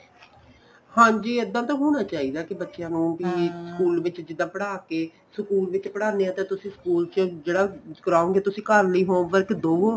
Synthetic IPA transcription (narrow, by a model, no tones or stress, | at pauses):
hãːɲd͡ʒiːəd̪ːãːt̪ãːɦoːɽ̃aːt͡ʃaːiːd̪aːkɪbətːʃjãːnũːbisəkuːlʋɪt͡ʃd͡ʒɪd̪ːãːpəɽaːkeː | səkuːlʋɪt͡ʃpəɽaːneãːt̪ẽːt̪ʊsĩːsə̥kuːlt͡ʃd͡ʒeːɽaːkəɾaːõːŋɡeːt̪ʊsĩːkəɾləiːɦoːʋəɾkd̪oːoː